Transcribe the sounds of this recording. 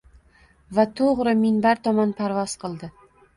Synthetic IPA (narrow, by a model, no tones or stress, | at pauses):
vat̪ʰoʁɾɪmɪnbaɾt̪ʰɒmɒnpʰaɾvɒz̥qʰɨlˠd̪ɪ